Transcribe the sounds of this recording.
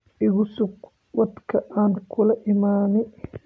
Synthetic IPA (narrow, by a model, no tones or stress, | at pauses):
ʔɪɣʊsʊɡ | wɑd̪kʰɐʔaːnkʰʊlɐʔɪmaːnɪ